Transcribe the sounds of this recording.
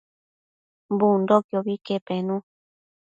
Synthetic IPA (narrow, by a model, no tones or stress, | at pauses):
mbundɔkjoβikepenũ